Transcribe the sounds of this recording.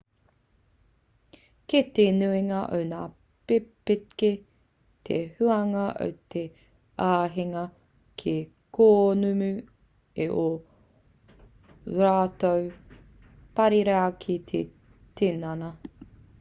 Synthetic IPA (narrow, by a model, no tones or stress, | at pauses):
ket̪enuiŋɐʔo̰wnaː | pepike | t̪ʰḛhʉɐŋɐʔo̰wt̪ʰe | aːɦiŋɐ | kʰe | kʰoːnumʉ | eʔo | ɾaːt̪ow | pɐɾiɾeɐkʰit̪ʰe | tenɐnɐ